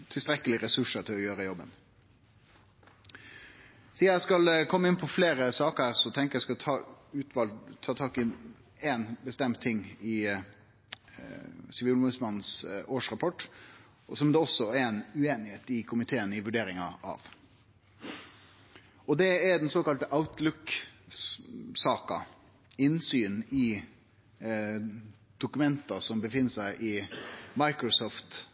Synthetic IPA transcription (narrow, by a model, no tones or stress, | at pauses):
t̪ʰɪlst̪ɾɛkːəlɪɾɛsʉʂəɾt̪ʰɪlɔjøːɾəjɔbːə̰n | siːɑæskɑlkʰɔmːəɪnpʰɔfleːɾəsɑːkəɾsɔt̪ʰɛŋkəɾjæɪskɑt̪ʰɑːʉːt̪ʰʋɑlt̪ʰɑːt̪ʰɑːkɪ | eːnbəst̪ɛmt̪ʰːɪŋːɪ | sɪʋiːlmʉsmɑnn̩soːʂɾɑpʰɔʈː | sɔmd̪ɛɔsːɔɛnʉeːnɪheːt̪ɪkʰʊmɪt̪ʰeːənɪʋʉɖeːɾɪŋɑʔɑ̰ʋ | ɔd̪ɛɛɾd̪ɛnsoːkɑlt̪əʔaʊʉt̪lʊk | sɑːkɑ | ɪnsyːnɪ | d̪̥ʊkʉmɛnt̪ɑsɔmbəfɪnːəsæɪʔɪmɑɪkɾʊsɔːft̪